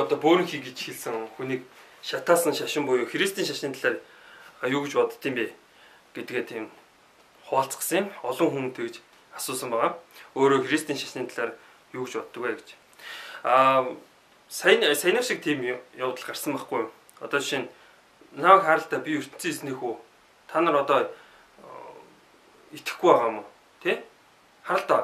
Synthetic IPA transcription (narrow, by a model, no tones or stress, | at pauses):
ɔt̪ɔːpoːɾɘ̆ŋxiːɡet͡ɕxeɮsɘ̆ŋxuniːk | ʃat̪aːsə̆ŋʃaʃɪ̆mpʊjʊːxɾist̪ʰiːŋʃaʃĭːnt̪aɮaːr | juːɣt͡ɕpɔt̪ə̆t̪ːʰiːmpe | ɡ̥et̪̆̚ɡeːt̪ʰiːm | χʊːɬt͡sɢ̥ə̥̆səŋɪmɔɮɞ̆ŋxuŋt̪ʰekt͡ɕ | asʊːsə̆mpæʁaːoːɾoːxerist̪iːŋʃḁʃnĭːnt̪aɮaːɾ | juːk̆t͡ɕpɔt̪ːə̆kwæːɡe̥t͡ɕ | a | sajnsajnaːʃĭk̚t̪ʰiːmjawt̪ə̆ɮɢarsə̆mpaχɡujm | ɔ̰t̪ɔːʃin | nawə̆kχaːɾə̆ɬt̪aːpʲiɵr̥t̪ɘ̆n̥t͡siːsniːxuː | t̪ʰanə̆rɔt̪ɔ | it̪ɘ̥̆xɡujpaʁaːmʊː | t̪ʰeː | χaɾə̆ɬt̪aː